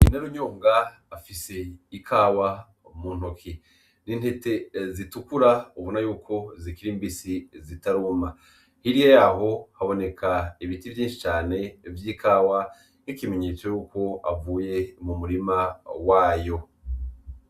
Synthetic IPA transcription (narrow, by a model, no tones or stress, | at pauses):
inaɾuɲoːŋɡaː | fise̞ikʰaːwa | muːn̥hokʰi | nin̥he̞te̞zitukuɾauβonajuːkʰo̞zikiɾiːmbisizitaɾuːma | hiɾijejaɦo̞haβo̞ne̞kʰaiβitivjiːnʃit͡ʃaːne̞vjiːkaːwa | nikime̞ɲe̞ːt͡so̞juːko̞a̰vuːje̞mumuɾimawaːjo̞